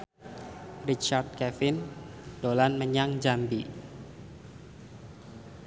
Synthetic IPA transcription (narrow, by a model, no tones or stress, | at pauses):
rit͡ʃard̪̚kɛfɪnd̥olanməɲaŋd͡ʒambi